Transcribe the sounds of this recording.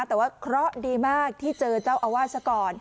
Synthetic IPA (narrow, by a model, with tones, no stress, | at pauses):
t̪ɛː˨˩waː˥˩kʰɾɔ˦˥ʔdiː˧maː˥˩k̚t̪ʰiː˥˩t͡ɕɤː˧t͡ɕaː˥˩wʔa˧waː˥˩t̪̚sa˦˥kɔː˧n